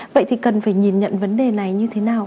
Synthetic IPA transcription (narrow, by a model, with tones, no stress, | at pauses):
və̰˧˨jt̪ʰi˨˩kə˨˩nfaː˧˩jɲi˨˩nɲə̰˧˨nvə˨˦nɗe˨˩na˨˩jɲɨ˧t̪ʰe˨˦naː˨˩w